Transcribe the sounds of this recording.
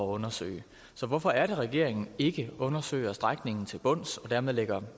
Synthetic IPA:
ɒɔ̽nɐsø̰ːɪ | sɒ̽ʋɒfɒ̽æɐɾeʁɛɡ̥e̝ɐ̰e̝ŋn̩e̝ɡ̥əɔ̽nɐsø̰ɪ̰ɐsd̥ʁaɡ̥ne̝ŋn̩t͡sʰe̝lb̥ɔ̽n̰sɒ̽dæɐmeðˠleɡ̥ɐ

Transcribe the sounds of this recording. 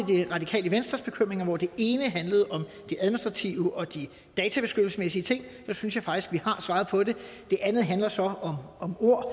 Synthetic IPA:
d̥eʁɑ̈d̥ikʰɛ̰ːləʋensd̥ʁɐsb̥e̝kʰøm̰ʁeŋɐʋɒd̥e̝e̝ːnəɦænləð̞̩ˠɒ̽m | d̥e̝æðˠminisd̥ʁɑ̈t͡sʰiʊəʔɒ̽d̥i | d̥ɛːt͡sʰæb̥e̝sɡ̥ød̥l̩səsmesiət͡sʰe̝ŋ̰d̥ɑsynsjɑ̈ɪfɑ̈ɡ̥isɡ̥̚ʋihɑ̈sʋɑ̈ːðˠpʰɒ̽de̝d̥e̝ʔænð̞̩ˠɦænlɐsɒ̽ɒ̽mɒ̽mo̝ɐ̰

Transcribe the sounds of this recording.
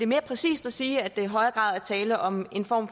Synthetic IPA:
e̝me̝ːɐpʰʁɛsḭːsd̥æsiːæd̥e̝iɦɒ̽ɪɐɡ̥ʁɑ̰̈ːðˠæɐt͡sʰɛːləʔɒ̽me̝nfɒ̰ːm

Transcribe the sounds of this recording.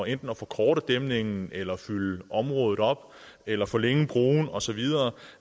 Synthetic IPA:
end̥n̩ɒfɒ̽kʰɒːɾ̥əd̥emne̝ŋn̩elɐfyləʔɒ̽mʁɔːð̞̩ˠɒ̽b̥ | elɐfɔ̽ːleŋb̥ʁoːnɒ̽sɒ̽ʋið̞ˠɐ

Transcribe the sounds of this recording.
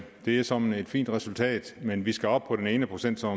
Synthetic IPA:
d̥e̝æɐsɒ̽mn̩e̝d̥fḭːnd̥ʁɛsult͡sʰɛ̰ːd̥menʋisɡ̥æɒ̽b̥̚pʰɒ̽ɾ̥ene̝ːnəpʰʁo̝sen̰d̥sɒ̽

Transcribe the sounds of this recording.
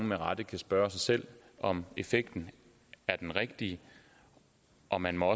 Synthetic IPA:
ŋmeʁɑd̥əkʰæsb̥ɶːɐsɑ̈ɪsel̰ | ʔɒ̽me̝feɡ̥̚d̥n̩ | æɐd̥enʁeɡ̥̚d̥iə | ʔɒ̽mænmɒ̽ɒ̽

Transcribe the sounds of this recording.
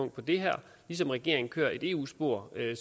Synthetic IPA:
ɔ̽ŋ̰d̥̚pʰɒ̽d̥e̝ɦæɐ̰ | lis̬ɒ̽mʁɛɡ̥e̝ɐ̰e̝ŋn̩kʰø̰ːɐe̝d̥e̝̰ːṵːsb̥o̝ɐ̰øs

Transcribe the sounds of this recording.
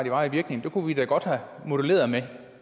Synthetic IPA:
d̥e̝ʋɑ̈iʋiɐɡ̥ne̝ŋn̩d̥e̝kʰuʋid̥æɡ̥ɒ̽d̥hæmo̝d̥ule̝̰ːɐð̩ˠme

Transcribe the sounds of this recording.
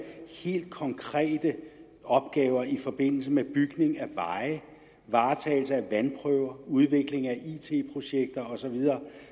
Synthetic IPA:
he̝̰ːld̥̚kʰɒ̽ŋkʰʁɛ̰ːd̥ə | ɒ̽b̥̚ɡ̥ɛːʊɐifɒ̽b̥e̝n̰l̩səmeb̥yɡ̥ne̝ŋæʋɑ̈ɪ | ʋɑ̈ːt͡sʰɛ̰ːl̩s̬əæʋænpʰʁœʊɐuð̞ˠʋe̝ɡ̥le̝ŋæʔit͡sʰe̝̰ːpʰʁo̝ɕeɡ̥̚d̥ɐɒ̽sɒ̽ʋið̞ˠɐː

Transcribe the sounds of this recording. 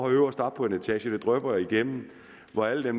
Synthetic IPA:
ɒhøʊɐsd̥ɑ̈d̥̚pʰɒ̽enet͡sʰɛ̰ːɕəd̥e̝d̥ʁœb̥ɐjiɡ̥em̰m̩ | ʋɒæləd̥em

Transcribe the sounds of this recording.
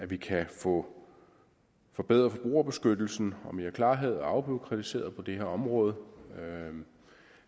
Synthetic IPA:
æʋikʰæfɔ̽ | fɒ̽b̥eðˠʁɐfɒ̽b̥ʁṵːɐb̥e̝sɡ̥ød̥l̩sn̩ɒ̽miækʰlɑ̈ːɦeð̩ˠɒɑ̈ʊb̥iʊkʰʁɑt͡sʰise̝̰ːɐð̩ˠpʰɒ̽d̥e̝heɐɒ̽mʁɔ̽ːð̞ˠ

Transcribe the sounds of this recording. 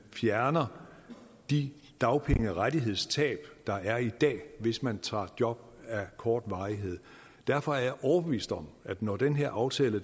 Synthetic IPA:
fjæɐnɐ | d̥i | d̥ɑ̈ʊpʰeŋəʁad̥iɦe̝ð̞̰ˠst͡sʰɛ̰ːb̥d̥ɑ̈æɐid̥ɛ̰ːʋe̝smænt͡sʰɑ̰̈ːd̥jɒ̽b̥̚ | ækʰɒːd̥ʋɑ̈ɪɦe̝ð̞̰ˠ | d̥æɐfɒ̽æɐjɑ̈ʔɒʊɐb̥eʋḭːsd̥ɒ̽mæd̥nɒd̥enɦeɐ̰ʔɑ̈ʊt͡sʰɛ̰ːlə

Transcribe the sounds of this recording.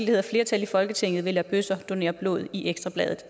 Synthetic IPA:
ldihe̝ðˠɐfle̝ɐt͡sʰælifɒ̽lɡ̥ət͡sʰeŋ̰ð̩ˠʋe̝læb̥øsɐd̥o̝ne̝̰ːɐb̥lo̝̰ːð̞ˠiʔeɡ̥sd̥ʁɑb̥lɛːð̞ˠð̩ˠ

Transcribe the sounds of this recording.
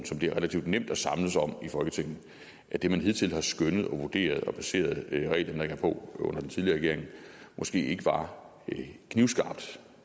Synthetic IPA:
n̩sɒ̽md̥e̝æɐʁelæt͡sʰiʊd̥nem̰d̥ɒsɑ̈mləsɒ̽m̰ifɒ̽lɡ̥ət͡sʰeŋ̰n̩ˠ | ʔæd̥e̝mænɦeðˠt͡sʰe̝lhɑ̈sɡ̥ønəð̞ˠɒ̽ʋo̝d̥e̝̰ːɐð̞ˠɒ̽pʰæse̝̰ːɐð̞ˠʁɛ̰ɪlɐmneɡ̥ɐpʰɒ̽ɔ̽n̰ɐd̥ent͡sʰiðˠliɐʁɛɡe̝ɐe̝ŋ̩mʔɒ̽sɡ̥e̝̰ːe̝ɡ̥əʋɑ̈ | kʰniʊsɡ̥ɑ̈ːb̥̚d̥

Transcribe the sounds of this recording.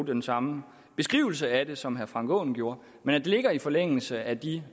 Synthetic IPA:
d̥ensɑ̈mə | b̥e̝sɡ̥ʁḭːʊl̩s̬əæd̥e̝sɒ̽mɦæɐfʁɑ̈ŋɡ̥ɔ̰ːn̩ɡ̥jo̝ːɐ | menæd̥e̝le̝ɡ̥ɐifɒ̽leŋ̰l̩səæd̥i

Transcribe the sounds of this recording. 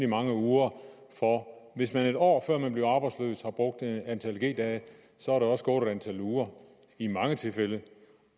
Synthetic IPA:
imɑ̈ŋəuːɐ | fɒʋe̝smæne̝d̥ɒ̰ːfɶɐ̰mænb̥le̝ʊɑ̈ːb̥ɑ̈ɪd̥sløːshɑ̈b̥ʁɔ̽ɡ̥̚d̥eænt͡sʰælɡ̥e̝̰ːd̥ɛːə | sɒ̽æɐɾeɒ̽sɡ̥ɔ̰ːɾædænt͡sʰæluːɐ | imɑ̈ŋət͡sʰe̝lfel̰ə

